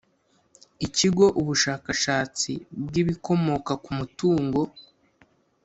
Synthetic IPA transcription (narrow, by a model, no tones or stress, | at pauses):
iciɡo̞ʔuβuʃaːkaʃaːt͡sḭb̚ɡiβiko̞mo̞kakumutuːŋɡo̞